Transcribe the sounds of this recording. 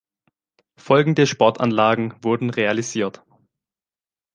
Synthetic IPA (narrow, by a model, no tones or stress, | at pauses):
fɔlɡŋ̩dəʃpɔɐtʰa̰nlaːɡŋ̩vʊɐdn̩ʁealiziːɐt